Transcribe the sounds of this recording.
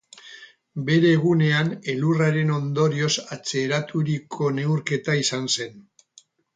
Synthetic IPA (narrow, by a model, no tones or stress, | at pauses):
be̞ɾe̞ːɣ̞une̞ane̞luraɾe̞no̞nd̪o̞ɾio̞sat͡seːɾat̪ʰuɾikʰo̞ne̞wɾke̞t̪aisanse̞n